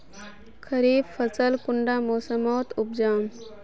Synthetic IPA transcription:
kʰəɾiːbfət͡səlkuɳɖamoːsəmoːt̪ub̚d͡ʒaːm

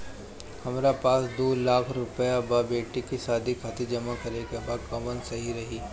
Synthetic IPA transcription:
hɐmɾapaːsd̪oːlaːkʰɾʊpəjabaːbeːʈikisaːd̪ʱikʰaːt̪id͡ʒɐmakɐɾekebaːd̪kɐmənsɐɦiɾɐɦiː

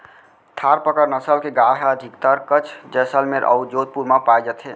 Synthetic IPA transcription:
t̪ʰaɾpəkəɾnəsəlkeɡaɽɦaəd̪ʱikt̪əɾkət͡ʃʰd͡ʒɛsəlmeɾʔə̰wd͡ʒod̪̚puɾmapajd͡ʒət̪ʰɦe

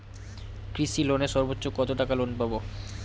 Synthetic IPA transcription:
kɾisiloneʃɔɾbotːɕokɔt̪oʈakalonpabo

